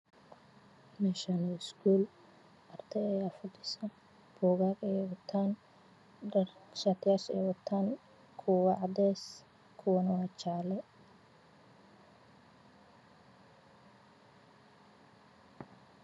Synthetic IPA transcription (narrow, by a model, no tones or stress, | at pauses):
mɛːʃɐnɔɪsɡʰuːl | ʔɐrt̪ʰɛɛjafʊd̪ɪsɐ | b̥ɔːɣaːɡɛjwɐt̪ʰaːn | ɖɐrʃaːt̪ʰɪjaːʃɛ̰ːjwɐt̪ʰaːn | kʰʊwɑʕɑd̪ɛːs | kʰʊwɐnɐwɑːt͡ʃaːlɛ